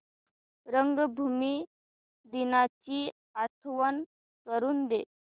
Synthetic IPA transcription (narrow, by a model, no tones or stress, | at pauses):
ɾəŋɡbʱumi | d̪inat͡ɕiː | at̪ʰʋən | kəɾuːnd̪e